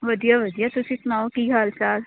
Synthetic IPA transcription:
ʋɐd̪ijaʋɐd̪ijat̪ʊsĩsʊnaːokiɡaːlsaːl

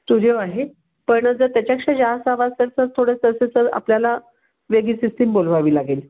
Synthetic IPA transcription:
t̪uɾijoaɦe | pəɳɳəd͡zəɾt̪jat͡ɕjakʂed͡ʑaasaʋaselt͡səɾt̪ʰoɽest̪əset͡səɾa̰pljala | ʋeɡiːsisʈimbol̤ʋaʋiːlaɡel

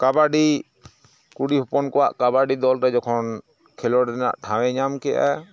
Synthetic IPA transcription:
kabaɖi | kuɽiɦupɔnkɔwaʔkabaɖid̪ɔlɾɛd͡ʒɔkʰɔn | kʰɛlɔɾɛna̰ʔʈʰãwɛ̃ɲamkɛʔa̰

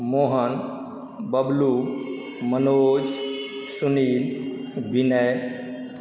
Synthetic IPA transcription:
moɦən | bəblu | mənoːd͡ʒsunilbʱinəj

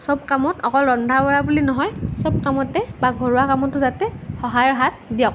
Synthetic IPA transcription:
sɔb̚kamɔtɔkɔlɹɔndʱabɔɹabulinɔɦɔjsɔb̚kamɔtɛbaɡʱɔɹʊwakamɔtːʊzatɛxɔɦajɔɹɦat̚dijɔk̚

